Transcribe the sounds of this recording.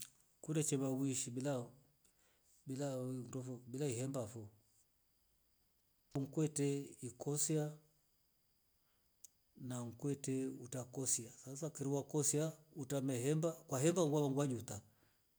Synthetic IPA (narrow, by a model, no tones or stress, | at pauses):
kundɛt͡ʃɛβawiʃibila | bilandɔfɔbilaihɛmbafɔ | uŋ̩kwɛtɛikɔsia | naŋ̩kwɛtɛutakɔsiasasakɛɾiwakɔsiautamɛhɛmbakwaɦɛmbaŋɡwaβaŋɡwaɲuta